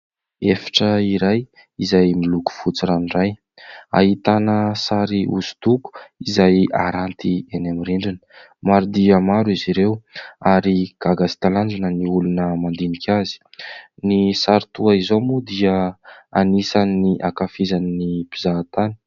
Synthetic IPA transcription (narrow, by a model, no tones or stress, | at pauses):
efḁʈ͡ʂəiɾaj | izajmiluku̥fut͡siɾanraj | a̰ɦit̪anəsaɾiuzu̥t̪uku̥izajaɾant̪ianamiɾiɳɖ͡ʐinə̥ | maɾud̪iəmaɾiziɾewaɾiɡ̥aɡasi̥t̪aland͡ʒanəniulunəmand̪inikʲʰazi̥nisaɾit̪uaizomud̪iəanisaniniʔakafizaninipizat̪ani̥